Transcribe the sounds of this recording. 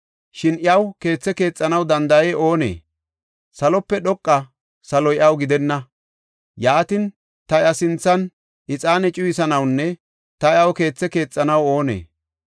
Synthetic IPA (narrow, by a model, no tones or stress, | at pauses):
ʃɪnɪɐwke̞ːt͡sːɛke̞ːt͡sʼːɐnɐwd̪ɐnd̪ɐjeːʔo̞ːnḛː | sɐlɔpːɛɗɔkʼːɐ | sɐlɔjɪʔɐwɡɪd̪ɛnːɐ | jaːt̪ɪn | t̪ɐjɐsɪnt͡sːɐn | ʔɪt͡sʼaːnɛt͡ʃʼʊjɪsɐnɐwnːɛ | t̪ɐjɪɐwke̞ːt͡sːɛke̞ːt͡sʼːɐnɐwo̞ːnḛː